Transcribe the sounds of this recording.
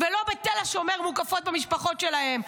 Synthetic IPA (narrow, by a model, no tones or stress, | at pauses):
velo̞bet̪elaʃomeʁmukafo̞t̪̚bemiʃpaχo̞t̪ʃelahe̞m